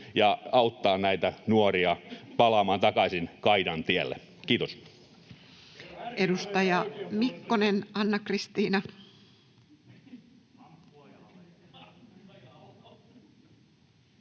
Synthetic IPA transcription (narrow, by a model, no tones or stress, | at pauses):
jɑɑut̪ːɑːnnæit̪ænuoriɑpɑlɑmɑːnt̪ɑkɑsinkɑidɑnt̪iælːḛ | kiːt̪os | ʔedust̪ɑjɑmikːonenɑnːɑkrist̪iːnɑ